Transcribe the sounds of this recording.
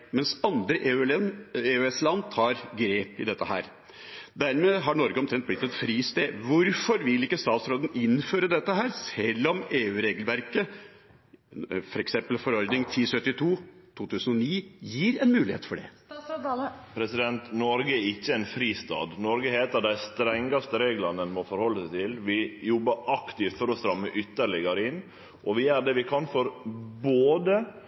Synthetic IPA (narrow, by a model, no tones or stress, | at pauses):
mɛnsɑnd̪ɾəʔ | eːʉɛslɑnt̪ʰɑːɾɡɾeːpɪd̪ɛt̪ːəɦæ̰ːɾ | d̪æɾmeːɦɑɳɔɾɡəɔmt̪ʰɾɛnblɪt̪ːɛt̪fɾiːst̪eːʋʊɾfɔɾʋɪlɪkːəst̪ɑːt̪sɾoːd̪n̩ɪnføːɾəd̪ɛt̪ːəɦæːɾsɛlːɔmeːʉːɾeːɡəlʋæɾkə | fɔɾɛksɛmpəlfɔɾɔɾd̪nɪŋt̪ʰiːsœt̪ːɪt̪ʰuːt̪ʰuːt̪ʰʉːsənɔniːjiːɾɛnmʉːlɪeːt̪fɔɖɛ̰ | pʰɾɛsɪd̪ɛnt̪nɔɾɡəæɾɪçːəænfɾiːst̪ɑ̰ːd̪nɔɾɡəheːt̪əɾd̪æɪst̪ɾɛŋːɑst̪əɾeːɡlɑnənmɔfɔɾhɔlːəsæɪt̪ʰɪlʋɪjɔbəɾɑkt̪ɪft̪fɔɾɔst̪ɾɑmːəʔʏt̪ːəɾɭɪɡɑɾəɪnː | ʔɔʋɪæɾɖ̪ɛːʋɪkʰɑnfɔɾboːd̪ə